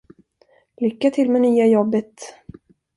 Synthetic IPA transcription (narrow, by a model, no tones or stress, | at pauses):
lʏkːat̪ʰɪlmɛnyːajɔbːət̪